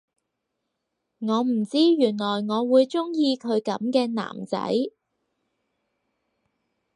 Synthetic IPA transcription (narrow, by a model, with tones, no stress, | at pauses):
ŋɔː˨˧m̩˨˩t͡siː˥jyː˨˩nlɔː˨˩jŋɔː˨˧wuː˨˧jt͡sʊ˥ŋjiː˧kʰɵ˨˧ɥkɐ˨˥mkɛː˧na̰ː˨˩mt͡sɐ̰˨˥j